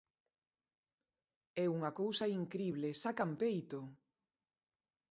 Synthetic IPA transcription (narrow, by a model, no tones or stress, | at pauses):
ɛuŋɐkowsɐiŋkɾiβlesakampejt̪o